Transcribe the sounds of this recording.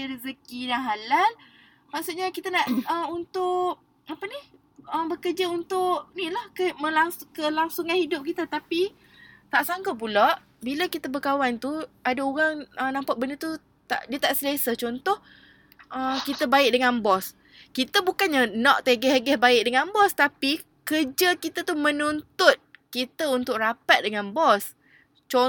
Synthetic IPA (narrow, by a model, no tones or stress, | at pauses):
ɾizəkidaŋɦalal | maʔsuʔ̪̚ɲakit̪ənaʔəmunt̪ʊʔ | apənɪh | əmbəkərd͡ʒaunt̪ʊʔnilahkəmə̃laŋskəlaŋsuŋanhidʊp̚kit̪ət̪api | t̪aʔsaŋkəpulaʔ | biləkit̪əbəkawant̪uadaoɣaŋənãmpaʔ̚bəndət̪u | t̪a̰ʔdiət̪aʔsəlesət͡ʃɔnt̪ɔh | ʔəkit̪əbaɪʔ̚dəŋanbɔs | kit̪əbukanɲənɔʔt̪eɡɛhaɡɛhbaɪʔ̚dəŋanbɔst̪api | kərd͡ʒəkit̪ət̪umə̃nunt̪ʊt̪̚kit̪əunt̪ʊʔkrapat̪̚dəŋanbɔs | t͡ʃɔ